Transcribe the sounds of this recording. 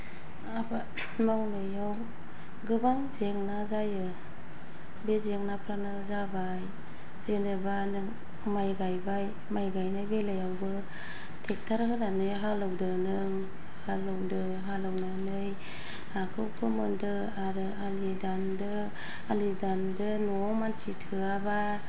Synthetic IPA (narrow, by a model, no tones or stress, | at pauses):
aba | mawnɯjaw | ɡɯbaŋzeŋnazajɯ | bezeŋnapʰɾanɯzabaj | zenɯbanɯŋ | majɡajbaj | majɡajnajbelajawbɯ | tʰek̚tʰaɾɦɯnanɯjɦalɯwdɯnɯŋ | halɯwdɯ | ɦalawnanɯj | akʰɯwkʰɯmɯndɯ | aɾɯalidandɯː | lidandɯnɔ | mansitʰɯaba